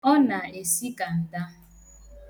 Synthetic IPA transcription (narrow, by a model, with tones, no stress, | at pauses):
ɔ˦na˨e˨si˦ka˨n̩˨da˦